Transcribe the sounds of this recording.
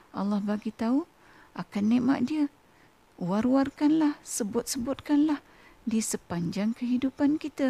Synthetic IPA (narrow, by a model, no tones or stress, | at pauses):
ʔa̰lːahbaɡit̪au | ʔakanːeʔma̰ʔdiə | uwaɾwarkanlahsəbʊt̪̚səbʊt̪̚kanlah | disəpaɲd͡ʒaŋkəɦidupankit̪a